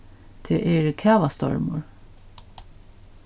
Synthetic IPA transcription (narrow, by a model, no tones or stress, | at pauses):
t̪ʰeːʔɛɹkʰæːʋast̪ɔ̰ɹmʊ̰ɹ